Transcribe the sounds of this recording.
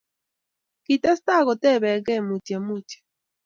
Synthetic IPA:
ki˨ta˦sta˦˨ɣɔ˨tɛ˦˨βɛ˨ɣɛ˦˨mu˨tje˨mu˦˨tje̥˨

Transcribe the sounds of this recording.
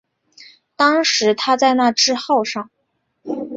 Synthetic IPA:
t̪ɑ˥ŋʂɻ̩˧˥t̪ʰa˥t͡sa˥˧ɪna˥˩ʈ͡ʂɻ̩˥xɑ˥˧ʊʂɑ˥˩ŋ

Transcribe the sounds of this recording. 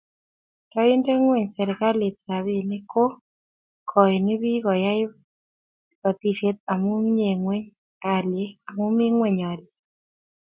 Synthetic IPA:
tɔ˦ɪ˦nde˦ŋwɛ˨ɲsɛ˨ɾɪ˨ka˦lɪ˨t̪̚ɾa˨βɪ˨nɪ˦ko˦ | kʰɔ˨nɪ˦βi˦ɣɔ˨ja˦ɪ˦ | kɔ˨t̪i˨ʃe˦t̪a˨mʊ˦mɲe˨ŋwe˦ɲ | a˨le˦a˨mʊ˦mi˦ŋwɛ˨ɲa˨lɪ˨

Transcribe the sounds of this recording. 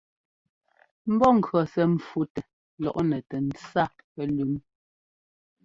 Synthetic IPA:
m̩˦bɔ˦˨ŋ̩˨kɰɔ˨sɛ˦m̩˨fu˦tɛ˨ | lɔ̰˨ʔnɛ˨tɛ˨n̩˨t͡sa˦˨ | pɛ˦lʉ˨˦m

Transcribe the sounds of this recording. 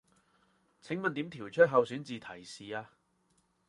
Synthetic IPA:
t͡sʰɪ˨˥ŋmɐ˨nt̪iː˨˥mt̪ʰiː˨˩wt͡ʃʰɵ˥t̚ɦɐ˨wsy˨˥nt͡siː˨t̪ʰɐ˨˩jsiː˨aː˧

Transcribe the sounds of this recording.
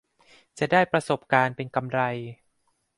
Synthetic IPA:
t͡ɕa˨˩daː˥˩jpɾa˧so˨˩p̚kaː˧npe˧nka˧mɾa˧j

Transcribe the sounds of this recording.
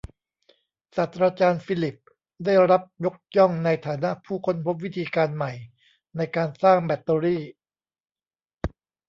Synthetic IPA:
saː˨˩t̪ʰɾaː˧t͡ɕaː˧nfiː˧˥li˨˩p̚ | daː˥˩jɾa˦˥p̚jo˦˥k̚jɔ˥˩ŋna˧jt̪ʰaː˩˦na˦˥ʔpʰuː˥˩kʰo˧npʰo˦˥p̚wi˦˥t̪ʰiː˧kaː˧nma˨˩j | na˧jkaː˧nsaː˥˩ŋbɛ˦˩t̪ːəː˧ɾiː˥˩

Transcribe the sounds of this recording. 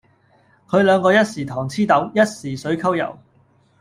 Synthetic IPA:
kʰɵ˨˧ɥlœː˨˧ŋkɔː˧jɐ˥t̚siː˨˩t̪ʰɔː˨˩ŋt͡sʰiː˥t̪ɐ˨˥wjɐ˥t̚siː˨˩sɵ˨˥ɥkʰɐ˥wjɐ̰˨˩w

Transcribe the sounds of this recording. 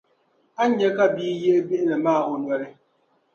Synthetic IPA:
a˦ɲɛ˦ka˦biː˦je˦bi˦ʔnɛ˨maː˦˨ʊ˨n˨ɛ˨ɾɪ˦

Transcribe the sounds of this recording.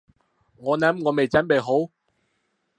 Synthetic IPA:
ŋɔː˨˧nɐ˨˥mŋɔː˨˧me˨jt͡sɐ˨˥npe˨jɦo˨˥w

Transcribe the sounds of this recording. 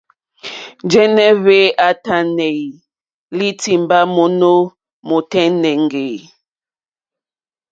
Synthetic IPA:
d͡ʒɛ˦nɛ˦βe˦a˨ta˨nɛ˨i˨ | li˦ti˨mba˦mo˨no˦ | mo˨tɛ˦nɛ˨ŋɡe˨

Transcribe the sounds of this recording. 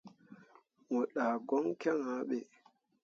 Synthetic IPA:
ŋo˨ɗaː˨ɡɔ˦ŋkɛ˦ŋã˨˦ɓe˨

